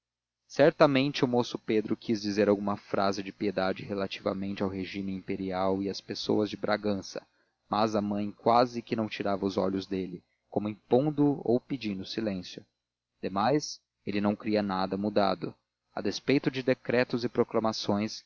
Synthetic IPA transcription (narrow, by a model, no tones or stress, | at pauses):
sɛɾt̪ɐmẽnt͡ʃɪʊmosʊped̪ɾʊkʰizd͡ʒizeɾawɡũmɐfɾʔa̰zɪd͡ʒɪpied̪ad͡ʒɪhelat͡ʃivɐ̰mẽnt͡ʃɪawɦeʒimɪĩmpeɾiawɪɐspeso̰wɐzd͡ʒɪbɾʔaɡɐ̃sɐ̥ | mazɐmɐ̃j̃kwazɪkɪnɐ̃w̃t͡ʃiɾavɐʊzɔ̰ʎʊzd̪elɪ | kõmʊĩpõd̪ʊo̰wpid͡ʒĩnd̪ʊsilẽsjʊ | d̪̥emajs | elɪnɐ̃w̃kɾiɐnad̪ɐmud̪a̰d̪ʊ | ɐ̰d̪espejt̪ʊd͡ʒɪd̪ekɾɛt̪ʊzɪpɾoklɐmasõj̃s